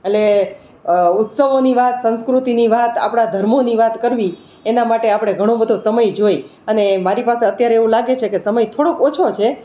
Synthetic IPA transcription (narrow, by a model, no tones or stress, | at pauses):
ele | ʊt̪səʋoniʋat̪sə̃nskɾut̪iniʋat̪a̰pɽ̃ad̪ʱəɾmoniʋat̪kəɾʋi | enamaʈeapɽ̃eɡʱəɽ̃õbʱəd̪ʱosəməjd͡ʒoj | ənemaɾipaseət̪jaɾeːʋũlaɡet͡ʃʰekesəməjt̪ʰoɽokot͡ʃʰot͡ʃʰe